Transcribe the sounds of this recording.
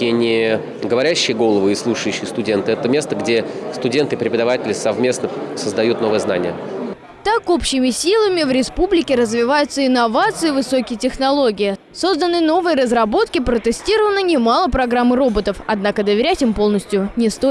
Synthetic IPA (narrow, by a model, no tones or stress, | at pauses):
inʲɪ | ɡəvɐɾʲæɕːɪjəɡo̞lˠəvɨɪslˠuʂɨjʉɕːɪjəst̪ʊdʲe̞nt̪ɨɛt̪əmʲe̞st̪əɡdʲe̞st̪ʊdʲe̞nt̪ɨpɾʲɪpəd̪ɐvatʲɪlʲɪsɐvmʲe̞snəsəzd̪ɐjut̪no̞vəjəzna̰nʲɪ̰jə | t̪ako̞pɕɪmʲɪsʲilˠəmʲɪvɾʲɪspublʲɪkʲɪɾəzvʲɪvajʊt̪səɪnɐvat̪sɨjɪvɨso̞kʲɪjətʲɪxnɐlˠo̞ɡʲɪɪ | so̞zd̪ənːɨno̞vɨjəɾəzrɐbo̞t̪kʲɪpɾət̪ɨsʲtʲiɾəvənənʲɪmalˠəpɾɐɡɾamːɨɾo̞bət̪əfɐd̪nakəd̪əvʲɪɾʲætʲɪmpo̞lˠnəsʲtʲjʊnʲɪst̪o